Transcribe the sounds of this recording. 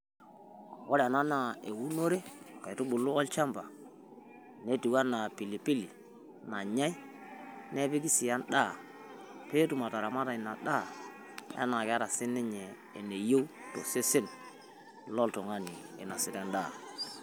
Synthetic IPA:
ɔ˦ɾɛ˨na˦na˨e˨wu˦no˦ɾe˦ka˨tu˦ɓʊ˨lʊ˦ɔ˦lt͡ʃa˦mba˨ | ne˦ti˨wa˦na˨pi˨li˨pi˦li˨ | na˨ɲa˦j | nɛ˦bɪ˦ki˦sɪ˨ja˦nɗa˦˨ | pe˦tu˨ma˨ta˨ɾa˨ma˦ta˨ɪ˨na˨ɗa˦˨ | a̰˦na˨kɪ˨˦a˦ɾa˨sɪ˦nɪ˦ɲɛ̰ː˨ne˨jo˦wto̰˨se˦sɪ˦n | lɔ˦ltɔ˨ŋa˦ni˨ɛ˨na˨sɪ˨tɛ˦nɗaː˦˨

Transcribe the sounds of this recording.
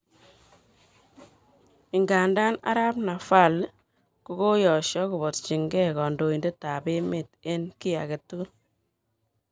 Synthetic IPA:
ɪ˨ŋɡa˨nda˦na̰˦ɾa˦pna˨fa˦˨l | ku˦ɡo˦jɔ˨ʃɔ˦ku˨bɔ˨tt͡ʃi˨ŋɡɛ˦kɔ˨ndo˨i˨nde˦ta˨be˦me˨te˦nki˦a̰˨ke˨tːu˦

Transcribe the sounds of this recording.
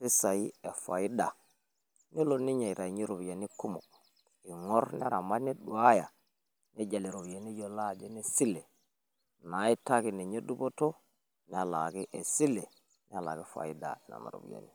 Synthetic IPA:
ti˦sa˨i˦e˨fa˨i˦da˨ | ni˦lo˨ni˦ɲa˨i˨ɾa˨ɲi˦ɾo˨bja˨ni˦ku˦mo̰˨ | i˨ŋo˦ɾn˦a˦ɾa˨ma˦ni˦ɗu˨a˦ja˨ | ne˦d͡ʒa˨li˨ɾo˨bi˨ja˨ni˦jo˨la˦˨d͡ʒe˦ne˦si˦le˨ | na˨˦i˦ta˦ki˨ne˨ɲe˦du˦bo˦to˦ | ni˨˦a˨la˨ki˦ʔe˨si˦le˨ | ni˦a˨la̰˨ɡi˦fa̰˨i˦da̰˨i˨na̰˨na̰˨ɾo̰˨bḭ˨ja̰˨ni˨

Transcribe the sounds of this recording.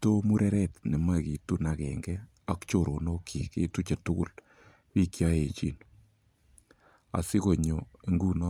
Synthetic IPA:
to˦mu˦ɾɛ˦ɾɛ˦t̪ne˨ma˦˨ki˨tu˦na˨kɛ̰˨ŋɡɛ˦ | a˦kt͡ʃo˨ɾo˨no˦kʰi˨kḛ˦tu˦t͡ʃe˨tʊ˦kʊ̰˦˨l | pi˦kja˦e˨t͡ʃḭ˦n | a̰˨sɪ˦ko˨ɲo˨e˦ŋɡu˦nɔ˦

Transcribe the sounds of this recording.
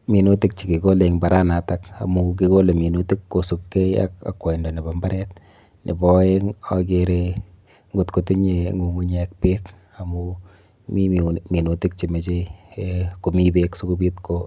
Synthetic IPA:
mi˨nu˦ti˦k̚t͡ʃi˨ki˨ko˦le˨ŋba˨ɾa˦na˨ta˦ka̰˨mu˧k̬i˦ko˦le˨mi˨nu˦ti˦kːo˨su˨kːe˦ja̰˦ka̰kwa˨i˨ndɔ˨ni˨ba˦mba˦ɾɛ˦t̚ | nʔḭ˨bɔ˦e˦ŋak̬eɾe | ŋɡu˦tku˨ti˦ɲe˨ŋɡu˨ŋɡu˦ɲek̚pe˦k | a˨mu | mi˦mi˨nu˨ti˦k̚t͡ʃi˨me˨t͡ʃe˦eko˨mi˦be˦ksu˦ku˦bi˦tko

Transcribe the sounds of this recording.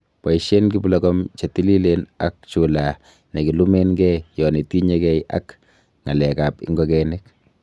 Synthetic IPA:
pa˨i˨ʃe˦nɡi˦blɔkɔmt͡ʃe˨ti˦li˦lena̰˦k̚t͡ʃu˨la˨ | ne˨ki˨lu˦me˦nɡɛ˦jɔ˨ne˨ti˦ɲekɛ˦jʔa̰˦k | ŋa˨lɛka˨pɪ̰˦ŋɡɔkɛnɪk

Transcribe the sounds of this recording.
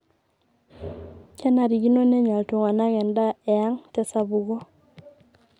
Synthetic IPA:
t͡ʃɛ˦na˨ɾi˨ɡi˦no˦nɛ˦ɲwa˨ltwo˨ŋa˨na˦ɡɛ˨nda˦ɛ˨a˦ŋtɛ˦sa˦bu˨ɡɔ˦

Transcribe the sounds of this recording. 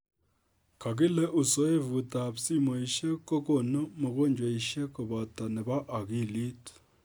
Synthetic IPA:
kʰa˨k̬i˦le˦ʔu˨so˦e˦vu˨ta˨psi˦mo˨i˨ʃe˦ko˦ko˨no˦mo˨ko˦˨ɲd͡ʒwa˨i˨ʃe˦ko˨βa˨ta˨ne˨βa˦ʔːki˦˨li˦t

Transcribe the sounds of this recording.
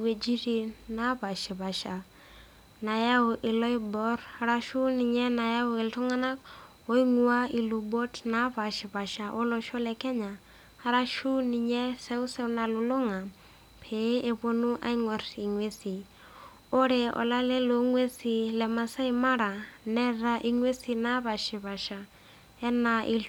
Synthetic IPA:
we˨d͡ʒi˦ɾi˨na˨˦pa˨ʃɪ˨pa˨ʃa˨ | na˨ja˦ʊ˨ʔɪ˨lɔ˦i˦bɔ˦ɾa˨ɾa˦ʃu˦ni˨ɲɛ˦na˨ja˦ʊ˦e˨ltu˦ŋa˦na˦k̚ | o˦i˦ŋu˨˦a˦i˨lu˨bo˦tna˨˦pa˨ʃɪ˨pa˨ʃa˨ʔo˦lɔ˨ʃɔ˦lɛ˨kɛ˦ɲa˨ | ha˨ɾa˦ʃu˦ni˨ɲɛ˦sɛ˦u˦sɛ˦u˦na˨lu˨lʊ˦ŋa˨ | pʰe˨˦ʔe˨βo˦nu˦ʔa̰˦i˦ŋɔ˨ɾi˨ŋwe˦si˨ | o˦ɾe˨ɔ̰˨la˦lɛ˦lo˨ŋwe˦si˨lɛ˨ma˨sa˦i˨ma˦ɾa˨nɛ˦ɾa˦ʔi˨ŋwe˦si˨na˦βa˨ʃɪ˨βa˨ʃa˨ | ɛ˦na˨ʔi˨l

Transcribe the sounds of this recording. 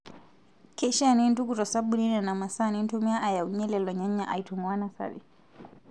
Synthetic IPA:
kɛ˦ʃani˦n˦tu˦kutɔ˨sa˦ɓuni˦nɛ˨na˨ma˨sa˦ni˦n˦tumi˦a˦ʔa˨ja˨uɲɛ˦lɛ˨lɔ˨ɲa˦ɲa˦ʔa˨i˨tumwa˦nasa̰˨ɾḭ˨

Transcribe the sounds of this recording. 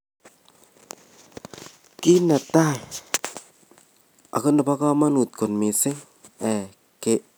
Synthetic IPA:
ki˦na˨ta˦˨j | a̰˨kɯ˦nɔ˨pa˦ka˦ma˦nu˨t̪̚ko˨nmi˨sɪ˦ŋ | ɛ˨ | ke˦˨

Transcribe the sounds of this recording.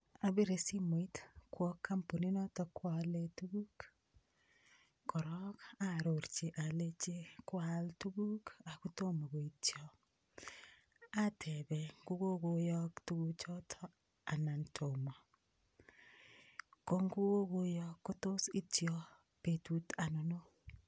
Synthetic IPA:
a˨bi˦ɾe˨si˦mo˨i˦tkwɔ˦kːa˦mpo˨ni˦nɔ˦tɔ˨kwale˦tu˦ɡu˦k | kɔ˨ɾɔ˦ka˦ɾo˨ɾt͡ʃe˨ʔa˨le˦t͡ʃe˦kwa˦ltu˦bu˦ka˨ku˦to˦mo˨ɡo˨i˨tjɔ | a˦tʰɛ˨bɛ˨ŋɡu˦ɡo˦ɡo˦jɔ˦ktu˦ɡu˦t͡ʃɔ˦tʰɔ˦ | a˨na˨ntʰo˨mɔ˨ | ko˦ŋɡu˦ɡo˦ɡo˦jɔ˦kːo˦to˦si˦tjɔ˨ | pe˨tu˦ta˨nɔ˨no˦

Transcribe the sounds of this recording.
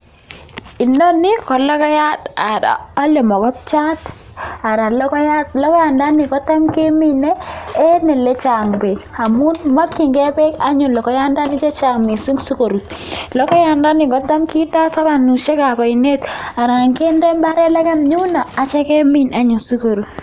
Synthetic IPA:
i˨no˦ni˦kɔ˨lɔ˦kɔ˦ja˦ta˨da̰ː˨˦le˨mɔ˨kɔ˦p̚t͡ʃa˦t | a˨ɾa˨lɔ˦kɔ˦ja˦tlɔ˦kɔ˦ja˨nda˦nɪ˨kɔ˦ta˦mke˦mi˦nɛː˦nɛ˨lɛ˦t͡ʃa˨ŋbe˨ka˨mu˦nma˦kːi˨ŋɡɛ˦bɛ˦ka˦ɲʊ˨lɔ˨kɔ˦ja˦nda˦ni˦t͡ʃe˦t͡ʃa˨mi˨su˦ŋsu˦ko˨ɾu˨lɔ˦kɔ˦ja˨nda˦ni˨kɔ˨ta˦mki˦da˦ka˦ba˨nu˨ʃe˦ka˨pa˨i˨ne˦ta˨ɾa˨ŋke˦ndɛ˦mba˦ɾɛ˦la˦ka˦mɲu˦naː˨t͡ʃɛ˦kɛ˦mi˦na˦ɲʊ˨su˦ko˨ɾu˨

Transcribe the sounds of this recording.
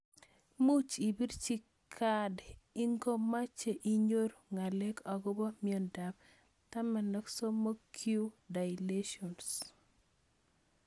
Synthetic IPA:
mu˦t͡ʃi˨bi˦ɾt͡ʃi˦ | kʰa˦de˨i˦ŋɡo˦ma˦t͡ʃe˨ʔi˨ɲo˦ɾŋa˨le˦kɔ˨ɡɔ˦bɔ˦mɪɔ˨nda˨b̚ | ta˦mɛ˨nɔ˦kso˦mo˦kʰju˦da˨jle˦ʃiɔ˨ns

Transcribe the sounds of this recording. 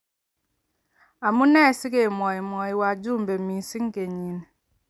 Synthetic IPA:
a˨mu˦nɛ˦˨si˦ke˨mɔ˨i˨mɔ˨i˨wa˨d͡ʒu˦m̩˨be˨m̩˨mi˨n̩˨si˦ŋ̩˦ke˨ɲi˨n˨

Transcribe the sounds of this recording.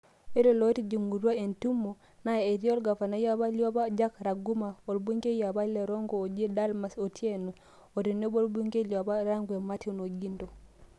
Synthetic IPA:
e˦le˨lɔ˨˦e˦ti˦d͡ʒu˨ŋu˨ɾwa˦e˨ntu˦mːo˨ | na˦˨e˨ɾjo˦lɡa˨fa˨na˦ja˦βa˦lja˦ba˦d͡ʒa˦kɾa˨ɡu˦ma˨o˨lbi˦ŋɡe˦ja˨ba˦lɛ˨ɾɔ˦ŋɡoː˨d͡ʒe˦da˦lma˨so˨tʰje˦no˨ | o˨ɾi˨ne˦bo˦lbu˦ŋɡe˦lja˨ba˦ɾa˦ŋɡwe˨ma˦ti˦o˦no˨ɡi˦ndo˨

